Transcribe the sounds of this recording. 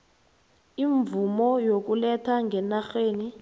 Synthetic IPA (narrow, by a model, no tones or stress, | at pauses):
iɱvumɔjok̬ulɛtʰaŋɡʱɛnaxeːni